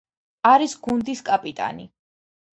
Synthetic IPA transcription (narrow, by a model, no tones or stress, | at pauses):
aɾisɡund̪iskʼapʼit̪ʼa̰nḭ